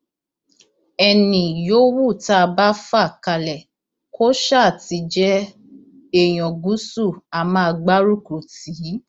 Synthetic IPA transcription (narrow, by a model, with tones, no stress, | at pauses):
ɛ˧nĩ˨jo˦wu˦˨ta˦˧ba˦fa˦˨ka˧lɛ˨ | kʰo˦ʃa˦˨ti˨˧˦d͡ʒɛ˦ | e˦˨j̃ɔ̃˨ɡu˨˦su˦˨a˨mã˦˧ɡ͡ba˦ɾu˦˨ku˨ti˨˦